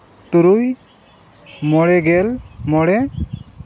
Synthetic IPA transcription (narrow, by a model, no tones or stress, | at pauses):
t̪uɾuj | mɔɽɛɡɛlmɔɽɛ